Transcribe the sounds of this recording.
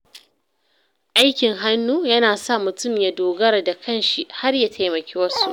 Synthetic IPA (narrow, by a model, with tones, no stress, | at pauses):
ʔa˦jkʲɪ˨ŋɦa˦nːuː˦jɐ˦naː˨sa˦˨mʊ˨tʊ˦˨mja˦doː˨ɡɐ˦ɾa˨da˨kʰɐ˦nʃi˦ha˦rja˨tʰa˨jmɐ˨kʲeː˦wɐ˦su˦˨ʔ